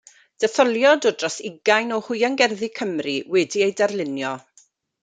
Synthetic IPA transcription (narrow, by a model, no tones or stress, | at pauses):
d̥ɛθɔlˠjɔdɔdrɔsɪɡajnɔhʊɨaŋɡɛrðikʰəmriwɛdiejdɛrlˠɪnjɔ